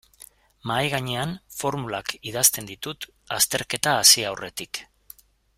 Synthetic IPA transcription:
majɣaɲeanfo̞ɾmulakið̞ast̪e̞nd̪it̪ut̪ | ast̪e̞ɾke̞t̪aːsiawre̞t̪ik

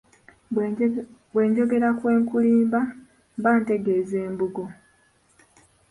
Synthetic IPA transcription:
bwe̞ːɲɟo̞ɡe̞ɾakwe̞ːŋkuliːmba | mbaːnte̞ɡe̞ːzeːmbuɡo̞

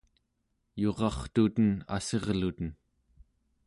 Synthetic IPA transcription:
jo̞ʁɑχt̪ut̪əna̰se̞ʁlut̪ən

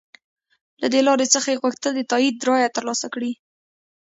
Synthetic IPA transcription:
lad̪elɑɾet͡səxaeɣwəxt̪əld̪ət̪ɑid̪̚ːɾɑjat̪əɾlɑsakɽi

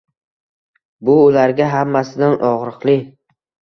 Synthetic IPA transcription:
bʊʊlaɾɡʲaɦamːasɪd̪anɒʁɾɨqlˠɪ

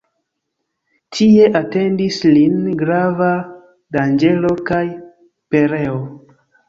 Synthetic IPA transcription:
tʰie̞ʔate̞ndislinɡɾava | dand͡ʒe̞lo̞kaj | pe̞ɾe̞o

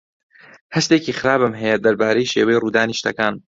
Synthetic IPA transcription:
hɐʃt̪eːkiːxɪɾaːbɨmɦɛjɛd̪ɐɾbaːɾejiʃeːwejiruːd̪aːniːʃt̪ɐkaːn

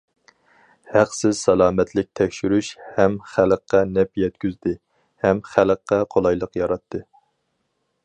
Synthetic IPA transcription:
hæqsɪzsɛlˠɑːmɛt̪lɪk̚ʲt̪ʰɛkʲʃyɾyʃhɛmχæləqːɑnɛpjɛt̪̚kʲyzd̪ɪ | hɛmχæləqːɑqʰolˠɑjlˠəqjɑɾɑt̪ʰːɨ

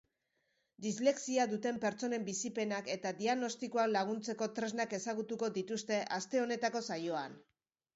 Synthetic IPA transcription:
d̪izle̞ksiaðut̪e̞mpe̞ɾt͡so̞ne̞mbisipe̞nake̞t̪ad̪iaɣno̞st̪ikoanlaɣ̞unt͡se̞ko̞t̪ɾe̞znake̞saɣ̞ut̪uko̞ðit̪ust̪e̞ʔast̪e̞o̞ne̞t̪ako̞sajo̞an

